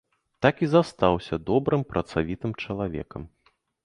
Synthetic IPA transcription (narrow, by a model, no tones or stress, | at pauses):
t̪akizast̪awsʲɐd̪ɔbɾɨmpɾɐt̪savʲit̪ɨmt͡ʂɐlˠavʲɛ̰kɐm